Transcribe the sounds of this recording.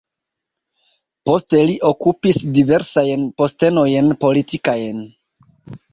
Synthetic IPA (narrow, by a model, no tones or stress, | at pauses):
po̞ste̞liʔo̞kupisdive̞ɾsajnpo̞ste̞no̞jnpo̞litikajn